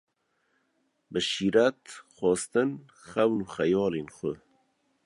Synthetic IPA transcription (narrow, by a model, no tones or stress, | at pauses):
bəʃiːɾæt̪xɔːst̪ɨn | xæwnuːxæjɑːleːnxʊ